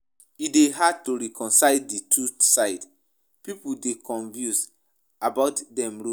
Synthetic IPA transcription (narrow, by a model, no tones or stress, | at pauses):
ideɦad̚tuɹɛkʰɔ̃nsaɪditʰusaɪd | pipudekʰɔ̃nvjũs | abaʊtdɛ̃mɹo